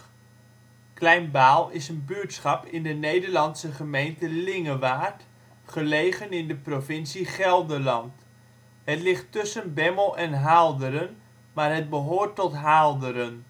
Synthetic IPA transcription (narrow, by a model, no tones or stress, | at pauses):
klɛjnbaːlˠɪsənbytsχɑpɪndənejdəɹlɑnsəχəmejntəlɪŋəʋaːt | χəlejχənɪndəprovɪnsiχɛlˠdəlɑnt | ɦətlɪχtːɵsənbɛməlˠɛnɦaːlˠdəɾən | maːɹɦət̚bəɦoːɹtːɔtɦaːlˠdəɾən